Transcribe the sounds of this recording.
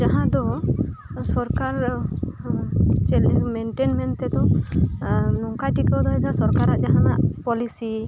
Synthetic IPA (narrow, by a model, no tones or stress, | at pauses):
d͡ʒaɦãd̪ɔ | sɔɾkaɾ | t͡ʃɛlɛmenʈenmɛnt̪ɛd̪ɔ | nɔŋkajʈikɔd̪ɔɛd̪asɔɾkaɾaʔd͡ʒaɦana̰ʔpɔlisi